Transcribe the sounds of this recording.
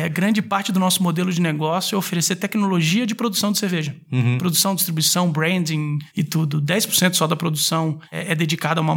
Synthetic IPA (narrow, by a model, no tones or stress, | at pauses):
ɛɡɾɐ̃nd͡ʒɪpaɾt͡ʃɪd̪ʊnɔsʊmod̪elʊd͡ʒɪneɡɔsjʊɛofeɾeseɾt̪ɛknoloʒiɐd͡ʒɪpɾod̪usɐ̃w̃d͡ʒ̪ɪseɾveʒɐ̃ | pɾod̪usɐ̃w̃d͡ʒist̪ɾibuisɐ̃w̃bɾẽd͡ʒĩɪt̪ud̪ʊd̪ɛjspʊɾsẽnt̪ʊsɔd̪ɐpɾod̪usɐ̃w̃ɛ̰ɛd̪ed͡ʒikad̪ɐũmɐ